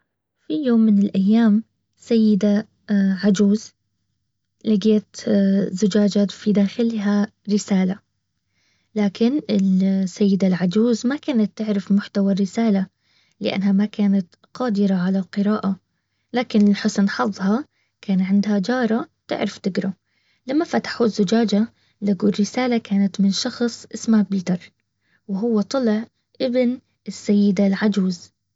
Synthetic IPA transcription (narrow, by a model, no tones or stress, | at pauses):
fijoːmːɪnɪlʔajːaːm | sajːɪd̪a | ʕad͡ʒuːz | laɡiːat̪zʊd͡ʒaːd͡ʒat̪fid̪aːxɪlɦa | ɾɪsaːla | laːkɪnɪlsːajːɪd̪alʕad͡ʒuːzmakaːnat̪ːɪʕɾɪfmʊħt̪awarːɪsaːla | lɪʔa̰nːɦamakaːnat̪ | qɑːd̪ɪɾaʕalalqɨɾaːʔa | laːkɪnɪlħʊsnħɑðˤhɑ | kaːnʕɪnd̪had͡ʒɑːɾˤɑt̪ɪ̰ʕɾɪft̪ɪɡɾʊ | lamːafat̪ḁħuːzːʊd͡ʒaːd͡ʒa | laɡuːrːɪsaːlakaːnat̪mɪnʃɑxsˤʔɪsmhabɪlt̪ɑrˤ | wɪɦʊwːat̪ˤɑlɪʕ | ʔɪbn | ɪsːajːɪd̪alʕad͡ʒuːz